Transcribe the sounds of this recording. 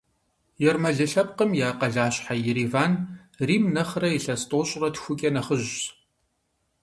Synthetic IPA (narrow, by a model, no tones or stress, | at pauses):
jɛrmɐɮɨɬɐp̚qəmjaːqɐɮaːɕʼħajɪɾiːvaːn | riːmnɐχrɐjiɬɐstʼoːɕʼrɐtʰxʷʊkʲʼɐnɐχəʑɕ